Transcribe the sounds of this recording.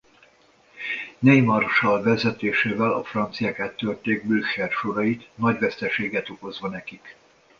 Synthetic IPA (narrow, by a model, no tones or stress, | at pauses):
nejmɒrʃɒlvɛzɛt̪eːʃeːvɛlɒ̰frɒnt̪sijaːkat̪ːørt̪eːɡ̚bylʃɛrʃoɾɒjit̪nɒɟʋɛst̪ɛʃeːɡɛt̪o̞ko̞zʋɒnɛkik